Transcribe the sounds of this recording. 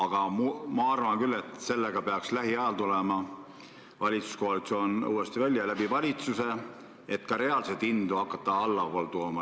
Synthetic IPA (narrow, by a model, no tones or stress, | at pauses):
ɑɡ̥ɑmumɑɑrvɑnkylːe̞t̪se̞lːeɡ̥ɑpe̞ɑkslæɦiæɑlt̪ulemɑ | vɑlʲit̪su̥sko̞ɦɑlit̪so̞ːnṵːest̪ivælʲjɑlæbivɑlʲit̪suse̞ | et̪kɑɾe̞ɑlset̪ːind̪̥uɑkːˑɑt̪ːɑɑlːɑvoːlt̪uomɑ